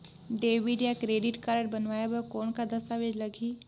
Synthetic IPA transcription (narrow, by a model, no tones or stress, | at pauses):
ɖeːʋɪɖjakɾeːɖɪʈkaːɾəʈ̚bɐnʋaːjabəkɔːnkad̪ɐst̪aːʋeːd͡ʒlɐɡʱiː